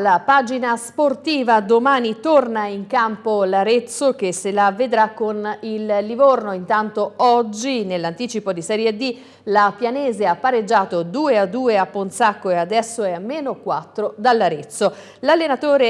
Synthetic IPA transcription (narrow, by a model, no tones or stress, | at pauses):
lːapaːd͡ʒinasport̪iːvad̪omaːnit̪ornaiŋkampolaɾet̪sːok̟esːelaved̪ɾakːonillːivornoint̪ant̪oɔd͡ʒːinelːant̪iːt͡ʃipod̪isɛːɾjed̪i | lapjanɛːzeapːaɾed͡ʒːaːt̪od̪uːead̪ːuːeapːonsakːoead̪ɛsːoɛamːeːnokwat̪ːɾod̪alːaɾet̪sːo | lalːenat̪oːɾe